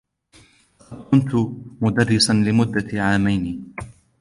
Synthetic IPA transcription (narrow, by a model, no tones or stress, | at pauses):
hɑd̪kʊnt̪ʊmʊd̪ɑrːɪsanlɪmʊd̪ːaʕaːmajniː